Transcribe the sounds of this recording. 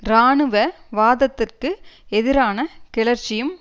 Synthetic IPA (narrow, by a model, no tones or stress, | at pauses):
ɾaːɳɯʋɐʋaːðɐt̪ːɪrkɯɛðɪɾaːnɐkɪɭɐɾt͡ʃːɪjɯm